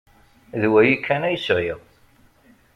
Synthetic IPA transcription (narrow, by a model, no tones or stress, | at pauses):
ðwæjikʰːænæjsʁiʁ